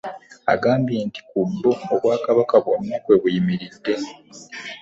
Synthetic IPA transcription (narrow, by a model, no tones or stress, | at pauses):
a̰ɡaːmbjeːnti̥kubːoːβwaːkaβakaβonoːkwe̞ːβujimiɾidːe̞